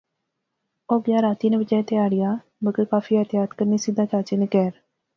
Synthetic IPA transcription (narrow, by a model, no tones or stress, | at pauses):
oːɡjaːɾaːt̪iːnẽbəd͡ʒɛːet̪ɪaːɽɪjaː | məɡəɾkaːfiːət̪ɪjaːt̪kəɾniːsɪd̪ãːt͡ʃaːt͡ʃinekɛːɾ